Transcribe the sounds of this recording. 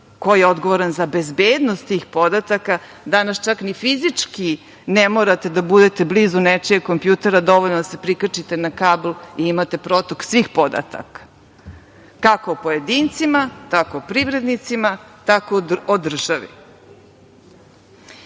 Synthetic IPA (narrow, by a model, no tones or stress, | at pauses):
ko̞jeod̪ɡo̞ʋoɾanzabe̞zbeːd̪nost̪t̪iːxpo̞d̪at̪aka | d̪anast͡ʃaknifizit͡ʃki | nemoːɾat̪e̞d̪abud̪e̞t̪e̞blizunet͡ʃieko̞mpjut̪e̞ɾad̪o̞ʋoʎnod̪ase̞pɾikat͡ʃit̪e̞nakablˠiimat̪e̞pɾot̪oksʋixpo̞d̪a̰t̪a̰kḁ | kakoːpo̞jed̪iːnt̪simat̪akoːpɾivɾe̞d̪nit̪simat̪akood̪r̩ʒaʋḭ